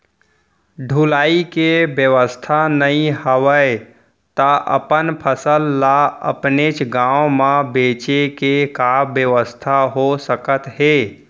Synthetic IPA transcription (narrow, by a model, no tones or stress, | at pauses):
ɖʱulaːikebjəwəst̪ʰanəĩɦəwəe | t̪aʔə̰pənpʰəsəlːaə̰pnet͡ʃɡãːomãbeːt͡ʃekekabjəʋəst̪ʰaɦosəkət̪ɦe